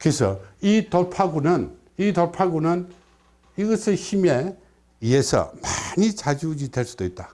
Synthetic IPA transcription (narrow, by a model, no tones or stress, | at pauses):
kɯesʰʌ̰itopʰaɡunɯn | itoɭpʰaɡunɯn | iɡʌsʰɯçime̞ | ie̞sʰʌ̰maɲit͡ɕad͡ʑiud͡ʑidwe̞ɭs͈ud̥oit̚t͈a